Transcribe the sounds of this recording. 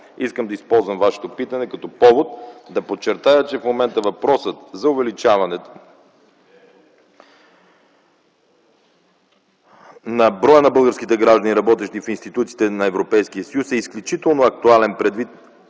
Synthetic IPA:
iskəmd̪ɐispɔlˠzvəmvaʃɛ̥t̪opit̪ɐnɛkɐt̪ɔpɔvot̪̚d̪ɐpot̪t͡ʃːɛɾt̪ajət͡ʃɛfmomɛnt̪əvɐpɾɔsət̪zɐʊvɛlit͡ʃavɐnɛt̪o̥ | nɐbɾɔjənɐbɤlˠɡəɾsk̟it̪ɛɡɾaʒd̪ɐnʲiɾɐbɔt̪ɛʃt̪ifinst̪it̪ut̪si̥t̪ɛnɐɛvɾopɛjsk̟ijəsɐjusɛisklʲut͡ʃit̪ɛlˠnoɐk̚t̪ualɛnpɾɛd̪vit̪

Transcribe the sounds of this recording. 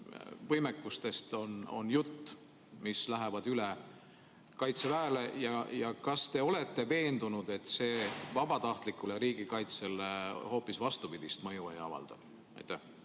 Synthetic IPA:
vɤjmekːˑust̪e̞st̪o̞no̞̰njut̪ː | mislæɦevɑd̪̥yle | kɑjt̪se̞væːle̞jɑjɑkɑst̪e̞o̞le̞t̪ːe̞ve̞ːnd̪unud̪e̞t̪ːse̞ːvɑb̥ɑt̪ɑht̪likːˑule̞ɾiːɡ̥ikɑjt̪seleho̞ːpːisvɑst̪upid̪̥ist̪mɤjuḛjɑ̰vɑ̰ld̪̥ɑ̰̥ | ɑ̰jt̪ːæh

